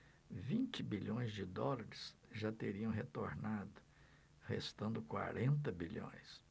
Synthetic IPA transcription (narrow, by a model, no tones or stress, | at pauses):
vĩnt͡ʃɪbiʎõj̃zd͡ʒɪd̪ɔlɐɾɪsʒat̪eɾiɐ̃w̃ɦet̪oɾnad̪ʊ | hḛst̪ɐ̃nd̪ʊkwa̰ɾẽnt̪ɐbiʎõ̰j̃s